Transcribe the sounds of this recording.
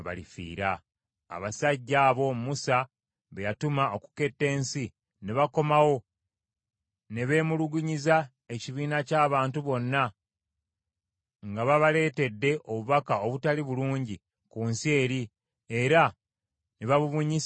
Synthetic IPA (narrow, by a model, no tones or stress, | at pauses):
βa̰lḭfḭːɾa̰ː | βasaɟːaːβo̞mmusa | βejatumao̞ku̥ke̞tːe̞ːnsi | neβako̞mawo̞ | ne̞βe̞ːmuluɡuɲiza | e̞ciβiːnacaːβaːntuβo̞nːa | ŋɡaβaβale̞ːte̞dːe̞ʔoβuβakao̞βutaliβuluːɲɟi | kunsie̞ːɾi | e̞ɾa | neβaβuβuɲis